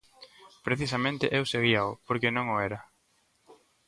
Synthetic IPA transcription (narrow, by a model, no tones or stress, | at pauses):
pɾeθisɐmẽnt̪ɪʔewseɣ̞iaʊpoɾkenõŋʊɛɾɐ